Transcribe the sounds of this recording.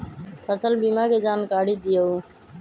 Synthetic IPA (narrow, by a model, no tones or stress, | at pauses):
pʰəsəlbiːmaːkeːd͡ʒaːnkaːɽiːd̪ɪjəuː